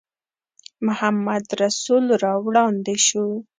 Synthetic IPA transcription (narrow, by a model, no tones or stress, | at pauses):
mʊhamːad̪ɾasulɾɑwɽɑnd̪eʃu